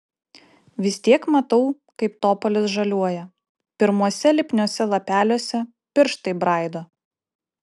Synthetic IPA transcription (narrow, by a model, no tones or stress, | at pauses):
ʋʲɪst̪ʲiɛkmɐt̪ɐʊ | kɐɪpt̪oːpɔlʲɪsʒɐlʲuɔjɛ | pʲɪɾmuɔsʲɛlʲɪpʲnʲoːsʲɛlˠɐpʲæːlʲoːsʲɛ | pʲɪɾʃt̪ɐɪbɾɑˑɪd̪oː